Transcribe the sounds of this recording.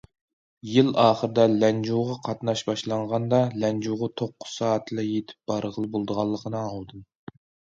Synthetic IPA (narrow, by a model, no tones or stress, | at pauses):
jɪlɑːχəɾɨd̪ɛlɛnd͡ʒuʁɑqʰɑt̪nɑʃbɑʃlˠɑɴʁɑnd̪ɑlɛnd͡ʒuʁɑt̪ʰoqːʊ̥z̥sɑːt̪ʰlɛjet̪ʰɪ̥p̚b̥ɑɾəʁəlˠɨbolˠd̪əʁɑlˠːəqʰənɨɑlˠd̪ɨn